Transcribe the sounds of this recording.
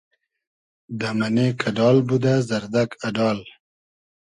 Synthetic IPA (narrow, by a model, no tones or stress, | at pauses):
d̪əmanekʰaɖɑlbud̪azaɾd̪akaɖɑl